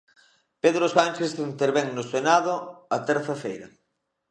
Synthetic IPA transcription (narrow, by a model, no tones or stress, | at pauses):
peðɾosant͡ʃesðint̪eɾβeŋnosenaðʊat̪ɛɾθafejɾɐ